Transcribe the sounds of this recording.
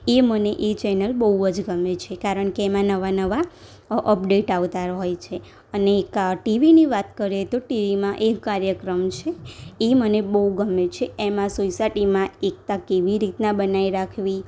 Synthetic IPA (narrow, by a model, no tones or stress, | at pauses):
eməneʔet͡ʃɛnəlbəɦuəd͡ʒɡəmet͡ʃʰekaɾəɳkeːmãnəʋanəʋa | ʔəpɖeʈaʋt̪aɾɦojt͡ʃʰe | əneːkʈiʋiniʋat̪kəɾet̪oʈiʋimãʔekkːaɾjəkɾəmt͡ʃʰeːmənebəɦuɡəmːet͡ʃʰeemãsosaʈimãek̚t̪akeʋiɾit̪nãbənaiɾakʰʋi